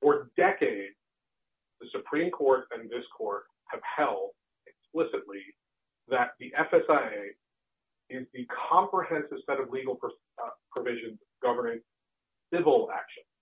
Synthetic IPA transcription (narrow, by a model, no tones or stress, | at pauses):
fə˞dɛkeɪdz̥ | ðɨsɨpʰɹ̥ĩmkʰɔɹɾɨ̃nðɪskʰɔɹt̚ | hɨv̥hɛlˠd̚ | ɨksplɪsɨtˡli | ðɨt̪̚ðiʔɛfɛsaɪeɪ | ɪzðɨkʰɑ̃mpɹəhɛ̃nsɨv̥sɛɾʌvliɡl̩ˠpʰɹ | pʰɹ̥ɨvɪʒɨ̃nz | ɡ̥ʌvə˞nɪ̃ŋ | sɪvl̩ˠæ̰kʃɨ̃n̥